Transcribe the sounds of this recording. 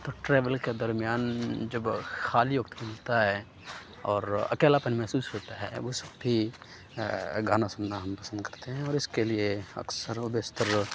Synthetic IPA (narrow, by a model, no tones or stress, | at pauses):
t̪oʈɾeːʋəlked̪əɾmijaːnd͡ʒɐbxaːlijʊk̚t̪mɪlt̪aɦɛ | ɔːɾɐ̰keːlapənmɛɦsuːsɦoːt̪aɦɛʋosə̥bːi | ɡaːnasʊmnaɦɐmpɐ̥sə̃nd̪kɐɾt̪eɦɛ̃ɔːɾɪskelieɐ̰ksəɾobest̪əɾ